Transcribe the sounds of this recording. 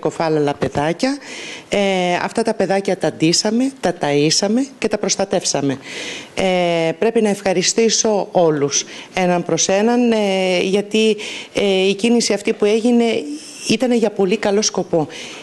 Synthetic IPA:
ko̞fɐlelɐpe̞ðɐcɐeɐ̰ft̪ɐt̪ɐpe̞ðɐcɐt̪ɐnd̪isɐme̞t̪ɐt̪ɐisɐme̞ce̞t̪ɐpɾo̞st̪ɐt̪e̞fsɐme̞epɾe̞pinɐe̞fxɐɾist̪iso̞o̞luse̞nɐmpɾo̞se̞nɐnʝɐt̪i | icinisiɐft̪ipue̞ʝine̞ | it̪ɐne̞ʝɐpo̞likɐlo̞sko̞po̞

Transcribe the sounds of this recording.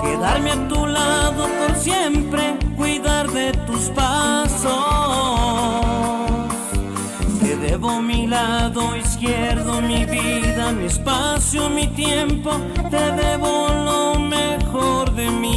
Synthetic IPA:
keðaɾmeat̪ulaðopoɾsjempɾekwiðaɾðet̪uspaso | s | t̪eðeβomilaðoiskjeɾðomiβiðamiespasjomit̪jempo | t̪eðeβolomexoɾðemi

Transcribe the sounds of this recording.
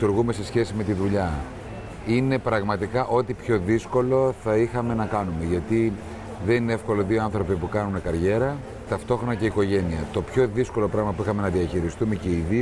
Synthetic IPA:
t̪uɾɣume̞se̞sçe̞sime̞t̪iðuʎɐ | ine̞pɾɐɣmɐt̪ikɐʔo̞t̪ipço̞ðisko̞lo̞θɐixɐme̞nɐkɐnume̞ʝɐt̪i | ðe̞nineefko̞loðioɐnθɾo̞pipukɐnune̞kɐɾʝe̞ɾɐ | t̪ɐft̪o̞xɾo̞nɐceiko̞ʝe̞niɐt̪o̞pço̞ðisko̞lo̞pɾɐɣmɐpuixɐme̞nɐðiɐçiɾist̪ume̞ce̞iði

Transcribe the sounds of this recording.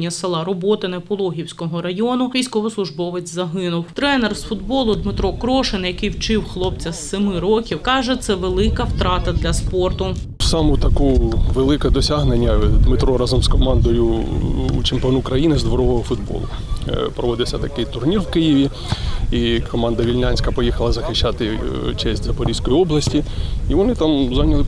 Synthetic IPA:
nʲːɐsɪlˠɑɾɔbɔt̪ɪnɐpɔlˠɔɦʲiwsʲkɔɦɔɾɐjɔnʊʋʲijsʲkɔʋɔslˠʊʒbɔʋɪt͡sʲzɐɦɪnʊwt̪ɾɛnɛrsfʊd̪bɔlˠʊd̪mɪt̪ɾɔkɾɔʃɪnjɐkɪjwt͡ʃɪwxlˠɔpt͡sʲɐsemɪɾɔkʲiwkɑʒɛt̪sɛʋelˠɪkɐwt̪ɾɑt̪ɐd̪lʲɐspɔrt̪ʊsɑmʊt̪ɐkuʋelˠɪkɛd̪ɔsʲaɦnenʲːɐd̪mɪt̪ɾɔɾɑzɐmskɔmɑnd̪ɔjʊ̰ | t͡ʃɪmpʲiɔnukɾɐjinɪzd̪ʋɔɾɔɦɔɦɔfʊd̪bɔ̰lˠʊ̰pɾɔʋɔd̪ɪwsʲɐt̪ɐkɪjt̪ʊrnʲirwkɪjiʋʲi | ikɔmɑnd̪ɐʋʲilʲnʲanʲsʲkɐpɔjixɐlˠɐzɐxɪʃːɑt̪ɪt͡ʃɛsʲtʲzɐpɔɾʲisʲkɔjiɔblˠɐsʲtʲiiʋɔnɪt̪ɑmzɑnʲɐlˠɪ

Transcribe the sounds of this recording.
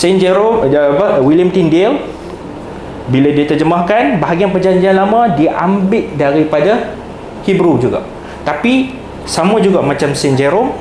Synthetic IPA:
sɛnd͡ʒɛɾoəwiljəmt̪indel | biladiat̪ərd͡ʒəmahkanbaɦaɡianpərd͡ʒaɲd͡ʒianlamãdiʔa̰mbɪʔdaɾipada | hibɾud͡ʒuɡa̰ʔ | t̪api | samãd͡ʒuɡaʔmãt͡ʃamsɛnd͡ʒeɾom

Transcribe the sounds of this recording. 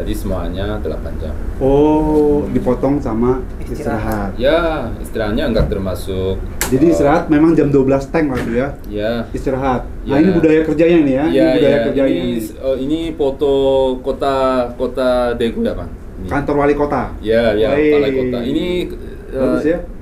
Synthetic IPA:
d͡ʒadisəmua̰ɲat̪əla̰pa̰nd͡ʒa̰mo | dipɔt̪ɔŋsama | isiɾaɦat̪jaḭst̪iɾaɦat̪̚ɲaəŋɡak̚t̪ərmasʊk̚d͡ʒadiːst̪iɾaɦat̪̚memaŋd͡ʒamduabəlast̪ɛŋlaɡuja | jaist̪iɾaɦat̪̚ | nainibudajakərd͡ʒaɲainijajaibudajakərd͡ʒaiinifot̪okot̪akot̪adekujapaŋ | nkant̪ɔrwalikot̪ajajaaika̰ini | asja

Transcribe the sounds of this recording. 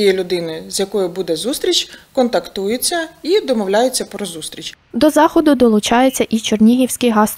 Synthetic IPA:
jɛlʲʊd̪ɪnɪzʲjɐkɔjʊbud̪ɛzust̪ɾʲit͡ʃʲkɔnt̪ɐkt̪ujʊt͡sʲːɐid̪ɔmɔwlʲajʊt͡sʲːɐpɾɔzust̪ɾʲit͡ʃʲ | d̪ɔzɑxɔd̪ʊd̪ɔlˠʊt͡ʃɑjet͡sʲːɐʔit͡ʃɔrnʲiɦʲiwsʲkɪjɦɑs

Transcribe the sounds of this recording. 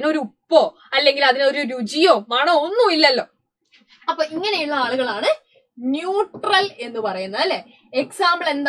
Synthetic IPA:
ino̞ɾupːo̞ː | ɐlːe̞ŋɡilɐðino̞ɾuɾud͡ʑijoːmɐɳɐonːuilːɐlːo̞ː | ɐpːoːiŋːɐne̞juɭːɐaːɭuɣɐɭaːɳɨ | njuːʈrɐle̞nːɨpɐrɐjunːaːl | eksaːmbɐɭe̞nd̪

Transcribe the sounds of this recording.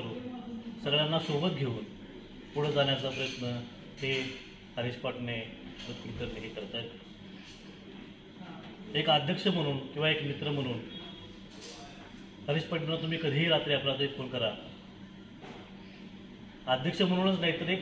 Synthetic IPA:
ɾuːnsəɡɭjanːasobək̪̚ɡʱeuːn | puɽ̤əd͡zanjat͡sapɾəjət̪nə | he | həɾispaʈnemut̪̚kit̪əɾneɦikːəɾt̪ə | ekad̪ʱjəkʂəm̤əɽ̃uːnkĩw̃ʋaekmit̪ɾəm̤əɽ̃uːn | həɾispaʈnːat̪um̤iːkəd̪ʱiːɾat̪ɾiːaplat̪əifonkəɾa | ad̪ʱjəkʂəm̤əɽ̃uːnət͡snait̪əɾek

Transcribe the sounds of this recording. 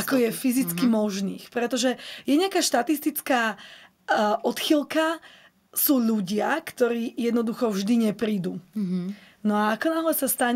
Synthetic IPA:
akɔjɛfizit͡skimɔʒniːxpɾɛt̪ɔʒɛjɛɲɪakaːʃt̪at̪ist̪it͡skaː | ʔɔt̪xilka | suːʎuɟɪakt̪ɔɾiːjɛd̪nɔd̪uxɔvʒd̪iɲɛpɾiːd̪uː | nɔaːkɔnaɦlɛsast̪aɲ

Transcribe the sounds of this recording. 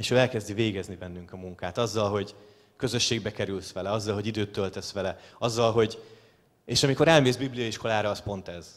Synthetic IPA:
eːʃøːɛlkɛzd̪iveːɡɛznibɛnːyŋkɒmuŋkaːt̪ɒzːɒlɦo̞ɟ | kø̞zø̞ʃːeːɡ̚bɛkɛɾylsʋɛlɛɒzːɒlɦo̞ɟid̪øːt̪ːølt̪ɛsʋɛlɛɒzːɒlɦo̞ɟ | eːʃɒmiko̞ɾɛlmeːzbiblijɒiʃkʰo̞laːɾɒːspo̞nt̪ɛz̥

